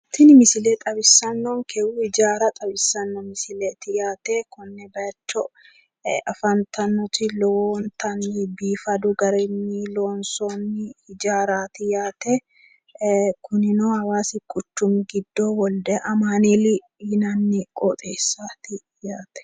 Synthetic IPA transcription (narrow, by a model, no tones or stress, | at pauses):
t̪ɪnɪmɪsɪlɛt̪ʼɐbɪsːɐnːɔnkʰɛwʊhɪd͡ʒaːɾɐt̪ʼɐbɪsːɐnːɔmɪsɪlɛt̪ɪjaːt̪ekʊnːɛb̪ɐjɐt͡ʃːɔ | ɐfɐnt̪ʰɐnːɔt̪ɪlɔwːnt̪ʰɐnːɪbiːfɐd̪ʊɡɐɾɛnːiːloːnsoːnːɪhɪd͡ʒaːɾaːt̪ɪjaːt̪e | kʰʊnɪnohɐwaːsɪkʼːʊt͡ʃːʊmɡɪd̪ːoːwɔld̪ɛʔɐmaːnilɪ | ɪnɐnːɪkʼoːt̪ʼeːsːaːt̪ɪ | jaːt̪ɛ̥